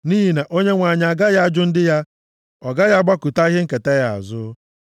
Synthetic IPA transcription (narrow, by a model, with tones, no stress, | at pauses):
ni˦ɦi˨na˨ʔo˦ɲe˦ŋʷa˨ɲ˨a˨ɡa˦ja˦a˦d͡ʒʊ˦n̩˦dɪ˦ja˦ | ɔ˨ɡa˦ja˦ɡ͡ba˦ku˨ta˦i˦ɦe˦ŋ̩˦ke˨te˦ja˨a̰˨zʊ˦